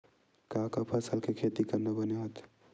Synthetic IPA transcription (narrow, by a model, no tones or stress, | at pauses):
kãːkapʰəsəlkekʰet̪ikəɾnabəneɦot̪